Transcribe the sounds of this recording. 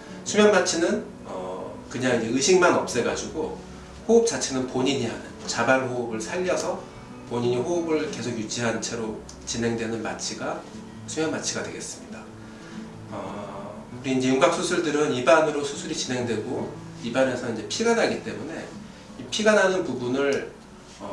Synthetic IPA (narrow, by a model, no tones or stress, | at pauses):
sʰumjʌnmat͡ɕʰinɯn | ʌ̰ | kɯɲaŋind͡ʑe̞ɯɕʰiŋmanʌp̚s͈e̞ɡad͡ʑiɡo | houp̚t͡ɕ͈at͡ɕʰenɯnpoɲiɲiɦanɯnt͡ɕabanɦoubɯɭsʰaʎːʌsʰʌ | poɲiɲihoɯbɯɭke̞sʰoɡjud͡ʑiɦant͡ɕʰe̞ɾo | t͡ɕinɦe̞ŋdwe̞nɯnma̰t͡ɕʰiɡa | sʰujanmat͡ɕʰiɡadwe̞ɡe̞̰s͈ɯmɲida | ʌ | uɾiind͡ʑe̞juŋɡak̚s͈ʰusʰɯɭdɯɾɯnibanɯɾosʰusʰuɾit͡ɕinɦe̞ŋdwe̞ɡo | ibane̞sʰʌind͡ʑe̞pʰiɡanaɡit͈e̞mune̞ | ipʰiɡananɯnpubunɯɭ | ʌ